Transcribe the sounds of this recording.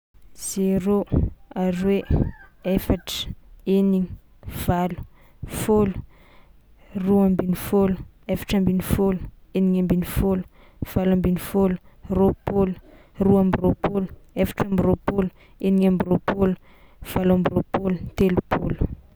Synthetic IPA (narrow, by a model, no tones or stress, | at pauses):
z̥eɾoaɾiwe | efaʈ͡ʂə̥eniŋ | v̥alu̥ | folu̥ | ruambinifolu | efḁʈ͡ʂambinifolu̥eniŋambinifolu̥ | v̥alambinifolu̥ropolu̥ | ruambiropoluefḁʈ͡ʂambiropolu | eniŋambiropolu̥ | v̥alambiropolut̪elupʰolu̥